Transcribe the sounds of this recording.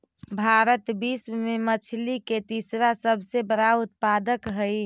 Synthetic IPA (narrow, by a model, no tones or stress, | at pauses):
bʱaɾət̪bismemət͡ʃʰliket̪isɾasəbʱsebəɾaʊt̪̚pad̪əkɦəj